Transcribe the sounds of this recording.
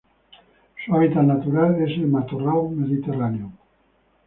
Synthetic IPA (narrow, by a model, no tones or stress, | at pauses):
suaβit̪anat̪uɾalesemat̪orawmeðit̪eraneo